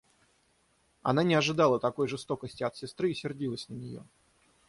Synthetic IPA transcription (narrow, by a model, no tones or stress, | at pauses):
ɐ̰nanʲɪɐʐɨd̪ɑlˠət̪ɐko̞jʐɨst̪o̞kəsʲtʲɪɐt̪sʲɪst̪ɾɨːsʲɪrdʲilˠəsʲnənʲɪjo̞̰